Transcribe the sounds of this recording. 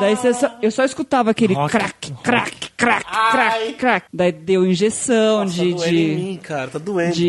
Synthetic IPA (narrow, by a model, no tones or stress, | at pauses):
d̪aisesɔ̃ewsɔiskut̪avɐakelɪkɾa̰kkɾa̰kɾakːɾakɾakd̪aid̪ewĩʒesɐ̃w̃d͡ʒɪd͡ʒɪikaɾɐt̪ad̪uẽd͡ʒɪ